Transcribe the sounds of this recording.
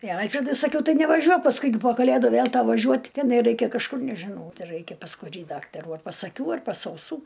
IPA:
ɪ ˈɐlʲfʲrʲɛdʊɪ sɐˈkʲɛʊ ˈtɐɪ nʲɛʋɐˈʒʲuɔk pɐsˈkʊɪ ɡʲɪ poː kɐˈlʲeːdʊ ˈʋʲeːlˠ ˈtɐʊ ʋɐˈʒʲuɔt tʲɛˈnɐɪ ˈrɐɪkʲɛ kɐʃˈkʊr nʲɛʒʲɪˈnɐʊ ˈtɐɪ ˈrɐɪkʲɛ pɐs kʊˈrʲiː ˈdɑːktɐruː ɐr pɐs ɐˈkʲuː ɐr pɐs ɐʊˈsuː

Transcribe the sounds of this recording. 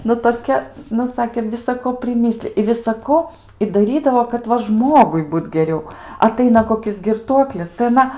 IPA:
ˈnʊ toːˈkʲɛ ˈnʊ ˈsɑːkʲeː ʋʲɪsɐˈkoː pʲrʲɪˈmʲɪsʲlʲɪj ɪ ʋʲɪsɐˈkoː ɪ dɐˈrʲiːdɐʋoː kɐt ˈʋɐ ˈʒmoːɡʊɪ ˈbuːt ɡʲɛˈrʲɛʊ ɐˈtɐɪnɐ koːˈkʲɪs ɡʲɪrˈtuɔklʲɪs tɐɪ ɐˈnɐ

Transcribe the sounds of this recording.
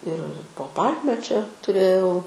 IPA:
ɪr poː ˈpɐlʲmʲɛ t͡ʃʲɛ tʊˈrʲeːjɛʊ

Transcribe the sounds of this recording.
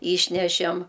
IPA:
ˈiːʃʲnʲɛʃʲɛm

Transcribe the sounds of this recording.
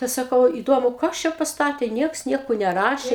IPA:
ˈtɐɪ sɐˈkɐʊ iːˈdoːmʊ ˈkɐs t͡ʃʲɛ pɐsˈtɑːtʲeː ˈnʲiɛks ˈnʲiɛkoː nʲɛˈrɑːʃʲeː

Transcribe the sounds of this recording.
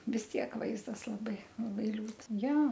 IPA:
ʋʲɪs ˈtʲiɛk ˈʋɐɪzdɐs lˠɐˈbɐɪ lˠɐˈbɐɪ ˈlʲuːt ˈjɛ

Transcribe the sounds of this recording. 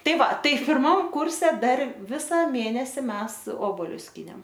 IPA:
ˈtɐɪ ˈʋɐ ˈtɐɪ pʲɪrˈmɐm ˈkʊrʲsʲɛ ˈdɐr ˈʋʲɪsɐ ˈmʲeːnʲɛsʲɪ ˈmʲɛs ˈoːboːlʲʊs ˈsʲkʲiːnʲeːm

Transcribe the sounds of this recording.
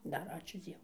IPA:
ˈdɐr ˈɑːt͡ʃʲuː ˈd͡zʲiɛʋʊ

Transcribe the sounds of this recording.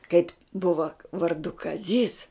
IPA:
kɐɪpʲ ˈbʊʋɐ ʋɐrˈdʊ kɐˈzʲiːs

